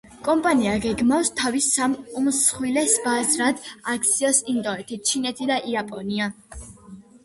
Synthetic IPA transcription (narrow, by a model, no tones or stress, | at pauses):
kʼɔmpʼaniaɡɛɡmafst̪ʰavisamumsχwilɛsbazɾad̪akʰt̪sʰiɔsind̪ɔɛt̪ʰit͡ʃʰinɛt̪ʰid̪aʔiapʼɔnia